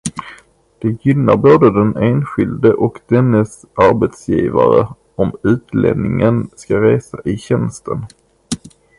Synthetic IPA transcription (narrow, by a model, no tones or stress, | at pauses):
d̪̥ɛjʏnːaɾboːd̪əd̪ɛneːnɧɪld̪əʔɔkd̪ɛnːəs | aɾbɛt̪sjḭːva̰ɾə̰ | ɔmʉ̟ːt̪lḛːd̪nɪŋənskaɾeːsaʔɪɕɛnst̪ʰən